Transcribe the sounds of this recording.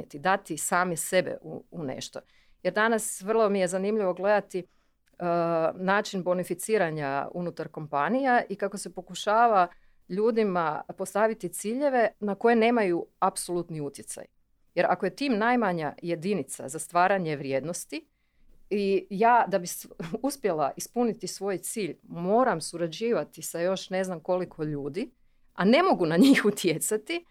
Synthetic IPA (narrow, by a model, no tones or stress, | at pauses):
et̪id̪at̪isaːmise̞bḛʔṵunḛʃt̪o̞̰ | je̞ɾd̪anasʋr̩lˠo̞mije̞zanimʎiʋo̞ɡle̞d̪at̪i | naːt͡ʃinbo̞nifit̪siːɾaɲaṵnut̪aɾko̞mpanijaʔikako̞se̞po̞kuʃaːʋa | ʎuːd̪imapost̪aʋit̪it̪siːʎe̞ʋe̞nako̞je̞ne̞ːmajuapso̞lˠut̪niut̪jet̪sa̰j | je̞ɾa̰koje̞t̪iːmnajmaɲa̰je̞d̪init̪sa̰zast̪ʋaːɾaɲe̞ʋɾje̞ːd̪no̞st̪i | ijaːd̪abisuspje̞lˠaʔispunit̪isʋo̞jt̪siːʎmo̞ːɾamsuɾad͡ʑiːʋat̪isajo̞ʃne̞znamko̞likʰo̞ʎuːd̪i | ʔane̞mo̞ɡunaɲiːxut̪je̞t̪sat̪i